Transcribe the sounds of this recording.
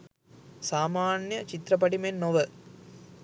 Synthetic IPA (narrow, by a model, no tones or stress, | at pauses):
saːmaːnjɐt͡ʃit̪ɾɐp̬ɐʈimenːoʋə